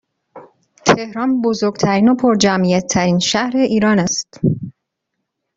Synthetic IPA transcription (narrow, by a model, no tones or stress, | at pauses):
t̪ʰe̞hɾɒːnbozoɾɡt̪ʰæɾiːno̞pʰoɾd͡ʒæmʔijæt̪ʰːæɾiːnʃæhɾe̞ʔiːɾɒːnæst̪